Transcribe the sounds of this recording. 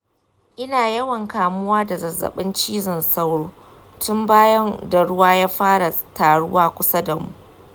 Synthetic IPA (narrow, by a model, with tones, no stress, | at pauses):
ʔɪ˦naː˨jɐ˦wɐ˨ŋkaː˨mʊ˦waː˦da˨zɐ˨zːɐ̰˨ɓɪ˦nt͡ʃiː˦zɪ˨nsa˦wɽoː˦ | tʊ˦mbaː˦jɐ˦nda˨ɽʊ˦waː˦jaː˦ɸaː˦ɽa˨taː˨ɽʊ̰˦waː˦kʷʊ˦sa˦da˨mṵ˨ʔ